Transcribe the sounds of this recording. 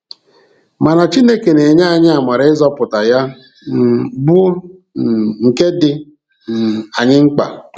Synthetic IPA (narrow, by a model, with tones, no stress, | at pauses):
ma˨na˨t͡ʃi˦ne˦ke˨ne˨ɲa˦a˨ɲɪ˦a˨ma˨ɾɪ˦zɔ˦pʊ˨ta˨ja˦˨ | bʊ˦˨ | ŋ̩˨ke˦dɪ˦˨ | a˨ɲɪ˦ŋ͡m̩˦k͡pa̰˨